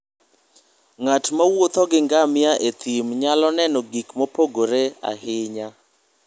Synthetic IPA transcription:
ŋatmawot̪ɔɡɪŋɡamɪaʔet̪ʰimɲalɔnɛnɔɡikmopoɡoɾea̰hɪɲa

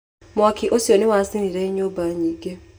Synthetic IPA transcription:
mwakʰɪʔosionɪwasiniɾɛiɲobaɲiɡe

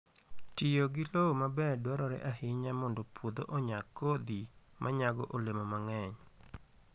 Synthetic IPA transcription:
tɪjoɡɪlomabɛdwaɾɔɾɛ̰ʔahɪɲamɔndopwod̪oʔoɲakːod̪imʔaɲaɡɔʔolemomaŋɛɲ

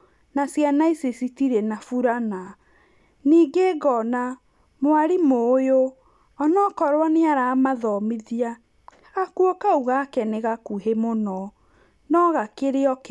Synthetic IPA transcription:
nasjanaisesitiɾɛnafuɾana | niːɡeɡɔna | moaɾimoːjo | ɔnɔkɔɾwaneaɾaːmaðɔmiðiaː | kuokauɣakɛneɣakuɦemonɔ | nɔɣakeɾeɔk

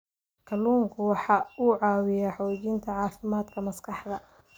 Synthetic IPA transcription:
kʰɐluːŋkʰʊwɑħɑːuːʕɑːwɪjaːħɔːt͡ʃiːnt̪ʰɐʕɑːfɪmaːd̪kʰɐmɐskʰɑħd̪ɐ

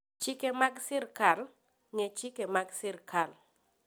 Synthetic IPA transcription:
t͡ʃikemaɡsɪrkal | ŋet͡ʃikemaɡsɪrkʰal

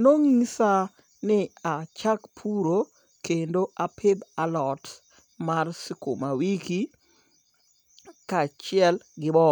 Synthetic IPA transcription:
noŋisa | nɪat͡ʃakpʰuɾo | kendoʔapʰɪd̪alɔt | marsiko̰mawiki | kat͡ʃɪɛlɡɪbɔ

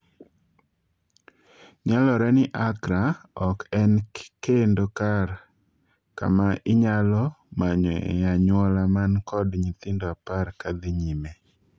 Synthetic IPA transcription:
ɲalɔɾɛnɪʔakɾaɔkɛnkendokar | ka̰maʔɪɲalɔ | maɲɔjaɲwɔlamankɔdɲit̪ɪndoaparkad̪ɪɲime

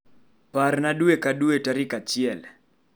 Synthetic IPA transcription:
parnaɗuekaɗuetaɾikat͡ʃɪɛl

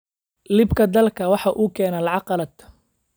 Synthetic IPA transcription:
lɪbkʰɐd̪ɐlkʰɐwɑħɑʔuːkʰɛːnɐlɑʕɑqɑlɐd̪

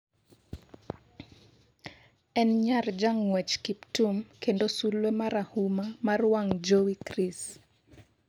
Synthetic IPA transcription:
ɛnɲard͡ʒaŋwɛt͡ʃkiptumkendosulwemaɾahumamarwaŋd͡ʒowikɾis

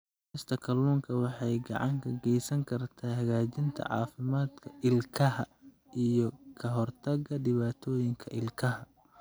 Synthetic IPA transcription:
ɪst̪ʰɐkʰɐlːuːŋkʰɐwɑħɑjɡɑ̰ʕɑŋkʰɐɡɛjsɐŋkʰɐrt̪ʰaːhɐɣaːt͡ʃɪnt̪ʰɐ̰ʕɑ̰ːfɪmaːd̪kʰɐʔɪlkʰɐɦɐ | ʔijɔkʰɐɦɔrt̪ʰɐɡɐɖɪβaːt̪ʰɔːjɪŋkʰɐʔɪlkʰɐɦɐ

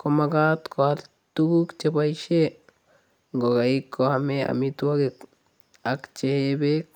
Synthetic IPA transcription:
komaɡat̪kʰoat̪ | t̪uɡukt͡ʃepajʃe | ŋɡoɡaikːoamea̰mit̪uwaɡek | akt͡ʃeebek

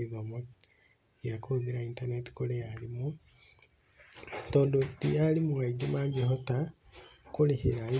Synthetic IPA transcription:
izomo | jakʰuðiɾaintaneti̥kolejalimu | toːndodijalimuɣaɡimaɡiɦota | kulihiɾai

